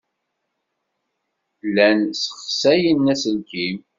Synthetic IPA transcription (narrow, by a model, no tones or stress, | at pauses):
lænsə̥χsæjənːæsənkim